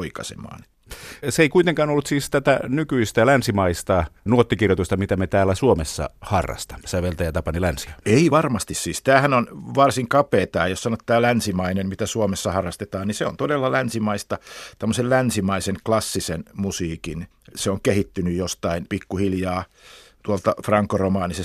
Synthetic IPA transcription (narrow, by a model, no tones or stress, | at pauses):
oikɑ̰sḛmɑ̰ːn | seikuit̪eŋkɑːnolːut̪siːst̪æt̪æ̰nykyist̪ælænsimɑist̪ɑnuot̪ːikirjot̪ust̪ɑmit̪æmet̪æːlːæsuomesːɑ̰hɑrːɑ̰st̪ɑ̥sæʋelt̪æjɑt̪ɑpɑnilænsiæeiʋɑrmɑst̪issiːst̪æːhænonʋɑrsiŋkɑpeːt̪ɑ̰ːjossɑnot̪ːæːlænsimɑinemmit̪æsuomesːɑhɑrːɑst̪et̪ɑːnniseo̰nt̪odelːɑlænsimɑist̪ɑt̪æmːosellænsimɑisenklɑsːisenmusiːkin | seoŋkehit̪ːynyjjost̪ɑinpikːuhiljɑː | t̪uolt̪ɑfrɑŋkːoromɑːnises